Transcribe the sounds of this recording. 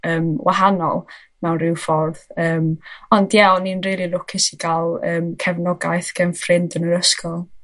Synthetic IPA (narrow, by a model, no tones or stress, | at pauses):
əːmwʔaɦanɔ̰lˠ | mɛwnrɪwfɔrðəːmɔndjaɔninriːlˠilˠʊkʰɪsiɡalˠəːmkʰɛvnɔɡajθɡ̥ɛnfrɪndənəəskʰɔlˠ